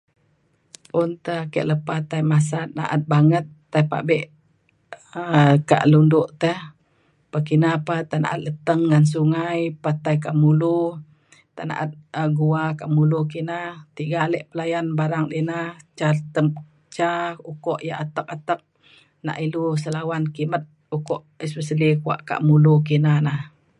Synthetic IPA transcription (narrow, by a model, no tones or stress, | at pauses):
ʔunt̪əhkə̰ʔləpat̪ajmas̬at̪̚na̰ʔa̰t̪̚baŋət̪ːajpa̰ʔbɛʔ | əka̰ʔlundʊʔt̪əh | pakinapat̪ana̰ʔat̪̚lət̪əŋːans̬uŋajpat̪ajk̬aʔmulu | t̪aʔna̰ʔat̪̚əɡuakaʔmuluk̬inat̪iɡalɛʔpəlajanbaɾaŋdinaht͡ʃat̪əm | t͡ʃaukɔʔjaʔat̪ək̚at̪ək̚ | na̰ʔilusəlawankimət̪̚ | ukɔʔəspəsəlikua̰ʔka̰ʔmuluk̬inanah